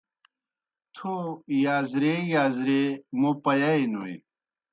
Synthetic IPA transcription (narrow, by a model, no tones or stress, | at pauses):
t̪ʰojaːzɾejaːzɾemopɐjajnoḛ